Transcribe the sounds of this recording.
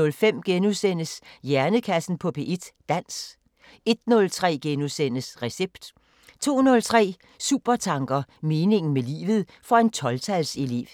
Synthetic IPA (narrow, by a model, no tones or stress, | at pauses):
ɔ̽lfem̰ɡ̥enusen̰əsjæɐnəkʰæsn̩pʰɒ̽pʰe̝ʔed̥ːæn̰s | e̝d̥nɔ̽lt͡sʰʁɛ̰ːɡ̥enusen̰əsʁɛseb̥d̥ | t͡sʰo̝̰ːnɔ̽lt͡sʰʁɛ̰ː | sṵb̥ɐt͡sʰɑ̈ŋɡ̥ɐme̝ːne̝ŋn̩melḭːʋð̞̩ˠ | fɒ̽e̝nt͡sʰɒ̽lt͡sʰælsele̝̰ːʋ